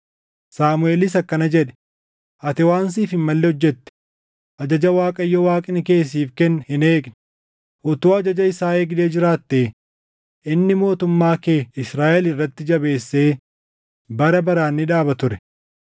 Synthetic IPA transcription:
saːmʊeːlɪs̬ɐkːɐnɐd͡ʒɛᶑɛ̥ | ʔɐt̪ɪwaːns̬iːfɪmmɐlːɛhɔd͡ʒːɛt̪ːɛ̥ | ʔɐd͡ʒɐd͡ʒɐwaːkʼɐjːɔwaːkʼɪnɪke̞ːs̬ːiːfkɛnːhɪneːɡnɪ̥ | ʔʊt̪oːɐd͡ʒɐd͡ʒɐɪsaːeːɡᶑeːd͡ʒɪɾaːt̪ːeː | ʔɪnːɪmo̞ːt̪ʊmːaːkeːɪsɾaːʔɛlɪrːɐt̪ːɪd͡ʒɐbe̞ːsːeː | bɐɾɐbɐɾaːnːɪᶑaːbɐt̪ʊɾɛ̥

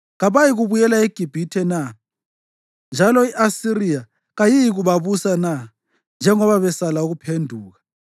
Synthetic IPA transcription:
ɣaβajiɣuβujɛlaeɡ̥ʱib̥ʱitʰɛna | nd͡ʒʱalɔiʔasirija | ɣajijiɣuβaβusana | nd͡ʒʱɛŋɔβaβɛsalauɣupʰendʱuːɣa

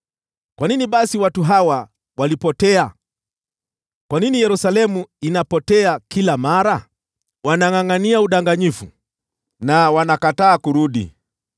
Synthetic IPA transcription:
kwaniniɓasiwatuɦawa | walipɔtɛa | kwaninijɛɾusalɛmuinapɔtɛakilamaɾa | wanaŋaŋaniauɗaŋɡaɲifṵ | nawanakataːkuɾuɗḭ

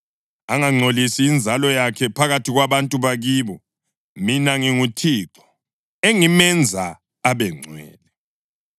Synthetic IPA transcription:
aŋaŋ͡ǀʱolisiːnd͡zʱalɔjakʰɛpʰaɣatʰiɣwaβantʼuβaɣiːβɔ | minaŋiŋutʰiːǁɔ̥ | eŋimɛnd͡zʱaː | βɛŋ͡ǀʱwɛ̰ːlɛ

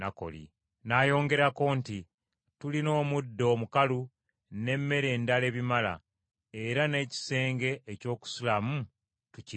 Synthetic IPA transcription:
ako̞̰lḭ | naːjo̞ːŋɡe̞ɾako̞ːnti | tulino̞ːmudːo̞ːmukalu | ne̞mːe̞ɾe̞ːndale̞ːβimala̰ | e̞ɾane̞ːci̥se̞ːŋɡe̞ʔːco̞ːku̥sulamu | tuci

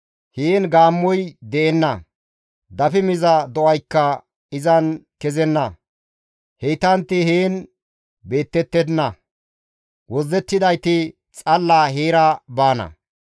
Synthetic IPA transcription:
heːnɡaːmːɔjd̪ɛʔɛnːɐ | d̪ɐfɪmɪzɐd̪ɔʔɐjkːɐ | ɪzɐnkɛzɛnːɐ | hejt̪ɐnt̪ːɪheːn | beːt̪ːɛt̪ːɛd̪ɪnːɐ | wɔzːɛt̪ːɪd̪ɐjt̪ɪ | t͡sʼɐlːaːɦeːɾɐbaːnɐ̰

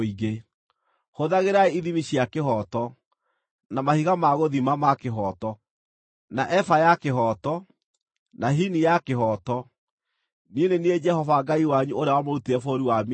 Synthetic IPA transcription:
iɣe | hoðaɣeɾaeiðimiɕjakeɦɔtɔ | namahiɣamaɣoðimamakeɦɔtɔ | naʔɛfajakeɦɔtɔ | naɦinijakeɦɔtɔ | nienenied͡ʒɛhɔvaɡaiwaɲuoɾeawamoɾutiɛfoɾiwam

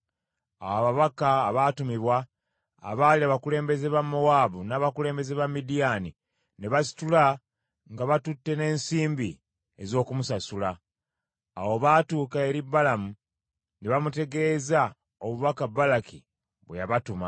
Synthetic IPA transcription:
awaβaβakaːβatumiβwa̰ː | βaːliaβakule̞ːmbe̞ze̞βamːowaːβunaːβakule̞ːmbe̞zeβamːidijani | neβasi̥tula | ŋɡaβatutːe̞ne̞ːnsiːmbi | e̞zo̞ːkumusasulaː | woβaːtuːkae̞ɾibːalamu | neβamute̞ɡe̞ːza | oβuβakabalaki | βwejaβatuma

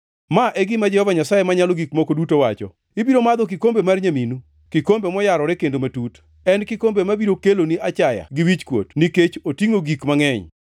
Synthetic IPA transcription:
maʔɛɡɪmad͡ʒɛhɔvaɲasajemaɲalɔɡikmɔkodutowat͡ʃɔ̰ | ɪbiɾomad̪ɔk̬ikombemarɲaminu | kikombemɔjaɾɔɾɛkendomatut | ɛnkɪkombemabiɾokeloniat͡ʃaja̰ɡɪwit͡ʃkwo̰tniket͡ʃotiŋoɡikmaŋɛɲ

